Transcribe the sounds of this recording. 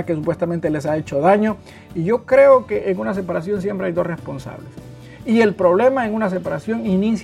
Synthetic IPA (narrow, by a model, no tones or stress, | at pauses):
kes̬upwe̞st̪amẽnt̪e̞le̞sae̞t͡ʃo̞ðaɲo̞ | iʝo̞kɾe̞okeʔeŋunas̬epaɾas̬jo̞ns̬jempɾeajd̪o̞srespo̞nsa̰βles | ie̞lpɾo̞βle̞maeŋunas̬epaɾasjo̞ŋinis